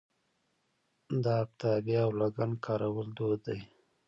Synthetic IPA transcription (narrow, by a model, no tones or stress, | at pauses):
d̪ɑap̚t̪abaawlaɡankʰɑɾawəld̪od̪ːaj